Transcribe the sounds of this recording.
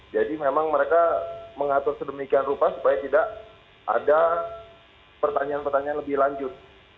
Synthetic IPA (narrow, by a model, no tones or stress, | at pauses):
d͡ʒadimemaŋməɾekaməŋat̪ʊrsədəmikianrupasu̥pajat̪idaʔ | ʔa̰da | pərt̪aɲaaːnpərt̪aɲaanləbɪhlaɲd͡ʒʊt̪̚